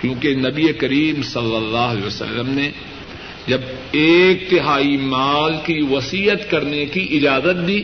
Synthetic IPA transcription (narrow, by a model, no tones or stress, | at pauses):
kjõːkenɐbiekɐɾiːmsɐlːəlːaːɦleːʋəsə̰lːəmne | d͡ʒɐb | eːk̚t̪ɪɦaːimaːlkiʋɐsiːət̪kɐɾnekiʔɪd͡ʒaːzət̪̚d̪iː